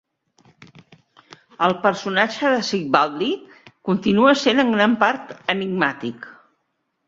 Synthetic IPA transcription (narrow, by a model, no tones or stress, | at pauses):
əlˠpəɾsunat͡ʃəðəsik̚bald̪i | kunt̪inuəsenəŋɡɾampaɾt̪əniɡ̚mat̪ik